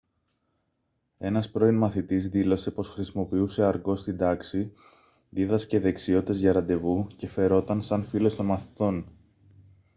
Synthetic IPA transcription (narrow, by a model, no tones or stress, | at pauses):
e̞nɐspɾo̞inmɐθit̪izðilo̞se̞po̞sxɾisimo̞piuse̞ɐɾɡo̞st̪ind̪ɐksi | ðiðɐsce̞ðe̞ksio̞t̪ezʝɐɾɐnd̪e̞vuce̞fe̞ɾo̞t̪ɐnsɐnfilo̞st̪o̞nmɐθi̥t̪o̞n